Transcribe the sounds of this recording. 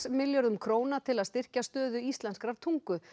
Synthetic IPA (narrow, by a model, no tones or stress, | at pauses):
smɪljœɾðʏmkʰɾoːwnat̪ʰɪlaðst̪ɪr̥cast̪œːðʏist̪lanskɾaɾ̥t̪ʰuŋkʏ